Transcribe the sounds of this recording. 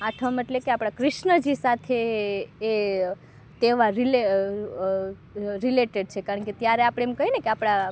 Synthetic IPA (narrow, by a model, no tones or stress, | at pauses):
aʈʰəmeʈlekeapɽ̃akɾɪʃnəd͡ʒisat̪ʰeː | t̪eʋaɾile | ɾileʈeɖt͡ʃʰekaɾəɳket̪jaɾeapɽ̃ẽːmkəɦinekeapɽ̃a